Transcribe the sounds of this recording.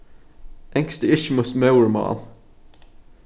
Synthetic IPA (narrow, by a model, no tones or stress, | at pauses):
ʔɛŋkst̪əɪʃmʊsmœʊəɹmɑ̰ːn